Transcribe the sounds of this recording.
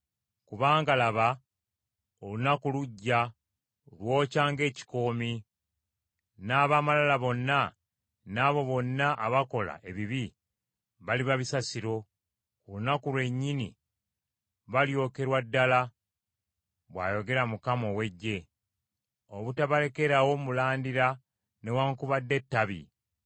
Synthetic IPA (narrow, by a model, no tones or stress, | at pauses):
kuβaːŋɡalaβa | olunakuluɟːa | lwo̞ːcaːŋɡe̞ːci̥ko̞ːmi | naːβaːmalalaβo̞nːa | naːβo̞βo̞nːaʔaβako̞la̰ʔe̞βiβi | βaliβaβisasiɾo̞ | kulunakulwe̞ɲːinḭ | βaljo̞ke̞ɾwadːala | βwa̰ːjo̞ɡe̞ɾamukamo̞we̞ɟːe̞ | o̞βutaβale̞ke̞ɾawo̞mulaːndiɾa | newaːŋkuβadːe̞tːaβḭ